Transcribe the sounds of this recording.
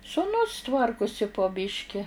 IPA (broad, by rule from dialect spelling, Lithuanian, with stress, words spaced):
sʊˈnʊs ˈtʋɐrkʊsʲɪ poː ˈbʲɪʃʲkʲɪ